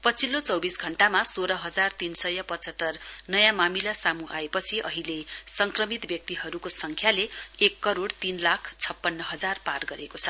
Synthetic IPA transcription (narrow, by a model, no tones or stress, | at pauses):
pʌt͡sʰilot͡sʌwbisɡʱʌɳʈamasoɾʌɦʌd͡zart̪insʌjʌpʌt͡sʌt̪ːʌrnʌjãmamilasamuʔa̰epʌt͡sʰiʔʌɦilesʌŋkrʌmit̪bjʌk̚t̪iɦʌɾukosʌŋkʰjaleekːʌɾoɽt̪inlakʰt͡sʰʌpːʌnːʌɦʌd͡zarparɡʌɾekot͡sʰʌ